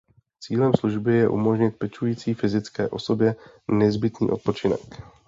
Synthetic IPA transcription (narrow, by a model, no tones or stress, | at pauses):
t͡siːlɛmsluʒbɪjɛʔṵmo̞ʒɲɪt̪̚pɛt͡ʃujiːt͡siːfɪzɪt͡skɛːʔo̞so̞bjɛ | nɛzbɪt̪nḭːʔo̞t̪̚po̞t͡ʃɪnɛ̰k